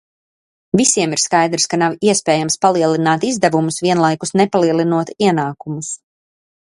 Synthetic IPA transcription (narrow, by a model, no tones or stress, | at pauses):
visiɛmiɾskajd̪ɾskanawiɛspeːjamspalˠiɛlˠinaːt̪izd̪ɛvumusviɛnlˠajkusnɛpalˠiɛlˠinuɔt̪iɛnaːkumus